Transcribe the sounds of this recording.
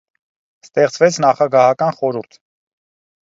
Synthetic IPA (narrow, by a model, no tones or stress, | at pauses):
st̪ɛχt͡svɛt͡sʰnɑχɑɡɑhɑkɑnχɔɾuɾt̪ʰ